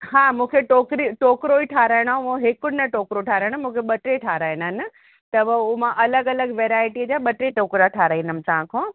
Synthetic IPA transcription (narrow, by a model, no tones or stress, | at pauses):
ɦaːmũːkʰeʈoːkɾiʈoːkɾoiʈʰaːɾaːɪɽ̃ãõɦeːkʊɽnɐʈoːkɾoʈʰaːɾaːɪɽ̃mũːkʰeɓɐʈɾeʈʰaːɾaːɪnənɪ̆ | t̪ɐbʊmãʔɐləɡɐləɡʋeːɾaːɪʈid͡ʑaːɓɐʈɾeʈoːkɾaʈʰaːɾaːĩnəmɪt̪aɦãkʰõː